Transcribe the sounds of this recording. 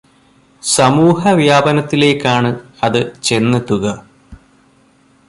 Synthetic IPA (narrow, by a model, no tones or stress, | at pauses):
sɐmuːhɐʋjaːbɐnɐt̪ːile̞ːkːaːɳɨ | ɐðɨt͡ɕe̞nːɐt̪ːuɣɐ